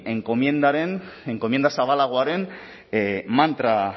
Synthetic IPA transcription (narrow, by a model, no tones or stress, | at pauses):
eŋkomjend̪aɾeneŋko̞mje̞nd̪asaβalaɣ̞oaɾe̞n | mant̪ɾa